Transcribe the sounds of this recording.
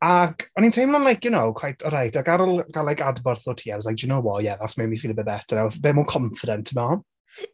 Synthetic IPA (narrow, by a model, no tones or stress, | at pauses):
akʰɔnintʰejmlˠanlajkʰjunowkʰwajtʰɔɾajtʰaɡaɾɔlˠɡ̥alˠajkadbɔrθɔtʰiːavslajk̚d͡ʒɪnowɔjɛðasmɛmifiːlˠəbɛbɛtʰanawbeːmukʰɔɱfɪdɛntʰəmɔ